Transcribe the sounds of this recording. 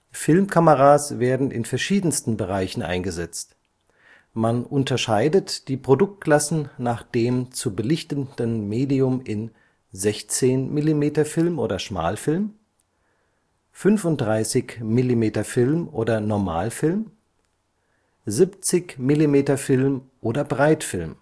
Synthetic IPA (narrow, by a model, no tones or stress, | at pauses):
fɪlmkʰaməʁaːsv̥eːɐdn̩ʔɪ̰nfɛɐʃiːdn̩stn̩bəʁ̞aɪçn̩ʔa̰ɪnɡəzɛt͡st | manʔʊntɐʃaɪdətd̥iːpʁ̥odʊk̚t̚kʰl̥asn̩naːχd̥eːmt͡subəlɪçtənd̥ənmeːdiʊmɪn | zɛçt͡seːnmɪlimeːtɐfɪlmʔoːdɐʃma̰ːlfɪlm | fʏnfʊnt̚d̥ʁaɪsɪçmɪlimeːtɐfɪlmʔoːdɐnɔɐma̰ːlfɪlm | zipt͡sɪçmɪlimeːtɐfɪlmʔoːdɐbʁaɪtfɪlm